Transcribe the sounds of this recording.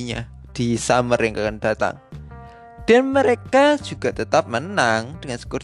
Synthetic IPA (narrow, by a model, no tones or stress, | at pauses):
ɲa̰ | d̥isamərjaŋkakand̥a̤t̪a̰ŋ | d̥a̤nməɾekḁd͡ʒ̥uɡ̥at̪ət̪ap̚mənaŋd̥əŋansə̥kʊr